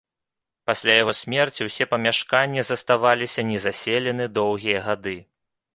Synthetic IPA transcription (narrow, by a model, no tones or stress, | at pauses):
pasʲlʲajaɣɔsʲmʲɛrt͡sʲiwsʲɛpɐmʲaʂkanʲːɛzɐst̪avalʲisʲɐnʲɛzasʲelʲɛnɨd̪ɔwɣʲijɐɣad̪ɨ